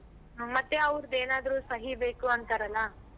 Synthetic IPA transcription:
ɦmɐt̪ːeɐʋɾd̪eːnaːd̪ɐɾuːsɐɦibeːkuɐnt̪ɐɾɐlːɐ

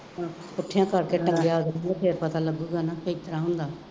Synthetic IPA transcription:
kʊʈʰːjãːkəɾkeːʈəŋɡejaːɡaːpʰeːɾpət̪aːləɡuːɡaːnaːkəɦiːt̪əɾãːɦʊnd̪aː

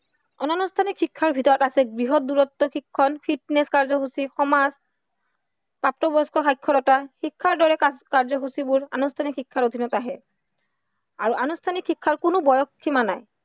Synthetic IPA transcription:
ɔnɔnustʰanikʰːikʰːaɹbʱitɔɹɔtasɛɡɹiɦɔt̚duɹɔtːɔxikʰːɔnpʰitneskaɹzɔɦusixɔmaz | pap̚tɔbɔjskɔxajkʰːɔɾɔtaxikʰːaɹdɔɹɛkaɹzɔɦusibʊɹa̰nustʰanikʰikʰːaɹodʱinɔtaɦɛ | aɹuʔanustʰanikʰːikʰːaɹkʊnʊbɔjɔkʰːimanaj

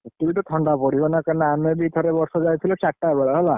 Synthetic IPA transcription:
t̪uitɔtʰɔɳɖapɔɽibɔnakanamebit̪ʰɔɾɛbɔɹsɔzajt̪ʰilɔt͡ʃaʈːabaɭaɦɔla

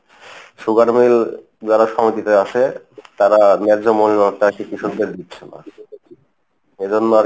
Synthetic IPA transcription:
ʃuɡaɾmil | d͡ʑɔɾaʃɔmit̪it̪eaʃe | t̪aɾanɛɾd͡ʑomollɔʈakikiʃod̪d̪eɾd̪itːɕʰena̰ | ed͡ʑonːoa

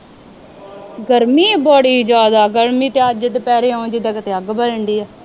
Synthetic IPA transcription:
ɡəɾmiːbɔːɽiːd͡ʒaːd̪aːɡəɾmiːt̪eːəd͡ʒt̪epɛːɾeːõːd͡ʒɪd̪aːkət̪eːəɡbələɳɖiːɛː

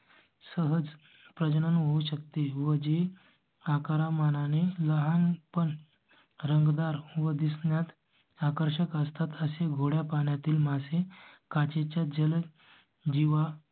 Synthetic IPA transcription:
səɦəd͡z | pɾəd͡ʑnənʋəuɕəkt̪eʋəd͡ʑe | akaɾamananeləɦanpəɳ | ɾəŋɡd̪aɾʋəd̪isɳjat̪ | akəɾɕəkəst̪ʰat̪əseɡʱoɽjapaɳjat̪iːlmasekat͡ɕet͡ɕjad͡ʑəl | d͡ʑiʋa

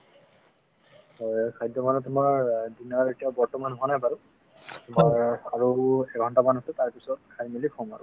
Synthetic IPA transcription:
ɔjkʰajdjɔmanɔtʊmaɹdinaɹetijabɔɹtɔmanɦuanajpaɹu | tʊmaɹaɹuɛɡʱɔntamanusɛtaɹpisɔt̚kʰajmilikʰɔmaɹʊ

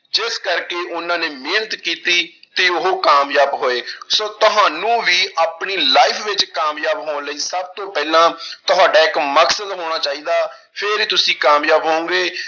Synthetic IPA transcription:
d͡ʒɪskəɾkeːʔʊnãːneːmeːnət̪kiːt̪iːt̪eːʊɦoːkaːmjaːbɦoːeːsoːt̪ʊɦaːnũːʋiːʔaːpɳiːlaːɪpʰʋɪt͡ʃkaːmjaːbɦoːnləiːsəb̚t̪õːpɛːlãːt̪ʊɦaːɖaːɪkməksəd̪ɦoːɽ̃aːt͡ʃaːiːd̪aː | pʰɪɾiːt̪ʊsĩːkaːmjaːbɦõoːɡeː

